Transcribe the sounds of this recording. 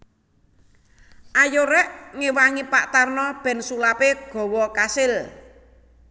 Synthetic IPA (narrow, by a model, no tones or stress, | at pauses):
ʔajoɾɛʔŋewaŋipaʔt̪arnɔb̥ɛ̤nsulapeɡ̥ɔ̤wɔkasɪl